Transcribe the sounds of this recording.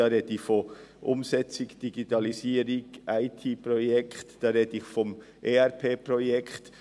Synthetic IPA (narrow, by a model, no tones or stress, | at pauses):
ɑɾedɪçfoʔʊmsɛt͡sɪkd̥iɡitɑlisiːəɾɪkʔaɪtʰiːpʁɔjɛktd̥ɑːɾedəiçfɔm | ʔeːɛɾpʰeːprɔjɛkt